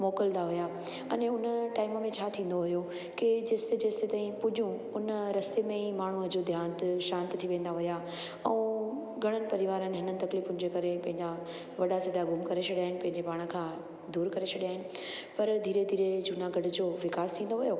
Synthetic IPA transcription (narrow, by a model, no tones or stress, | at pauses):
mɔːkəld̪aɦʊja | ɐneʊnəʈaːɪməmẽt͡ɕʰaːt̪ʰĩːn̆d̪oɦʊjo | ked͡ʑeːsed͡ʑeːset̪aːɦĩpʊʄjũʊnəɾɐst̪emẽimaːɳ̤uəd͡ʑod̪ʱjaːnt̪ɪʃãːnt̪t̪ʰiʋẽːn̆d̪aɦʊja | ɛ̃ | ɡʱɐɽ̃ənɪ̆pɐɾɪʋaːɾənɪ̆ɦɪnənɪ̆t̪ɐkliːfʊ̃nɪ̃̆d͡ʑekɐɾepɐ̃ɦɪ̃ɲd͡ʑa | ʋɐɗasɐɖaɡʊmkɐɾet͡ɕʰɐɽjaːɦɪnɪ̆pɐ̃ɦɪ̃ɲd͡ʑepaːɽ̃ə̆kʰãː | d̪uːɾkɐɾet͡ɕʰɐɽijaːɦɪnɪ̆ | pɐɾd̪ʱiːɾed̪ʱiːɾed͡ʑunaɡɐɖʊd͡ʑoːʋɪkaːst̪ʰĩːn̆d̪oɦʊjo